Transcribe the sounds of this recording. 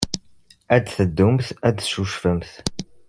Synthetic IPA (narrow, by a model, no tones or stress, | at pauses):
æd̪θəd̪ːumθæd̪ʃuʃfəmθ